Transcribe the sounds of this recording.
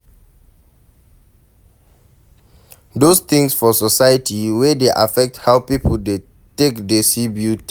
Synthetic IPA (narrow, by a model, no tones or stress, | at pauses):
dost̪ĩŋsfɔsɔsajətʰiwɛdeʔafɛk̚thawpipʰl̩de | tekdɛsibjut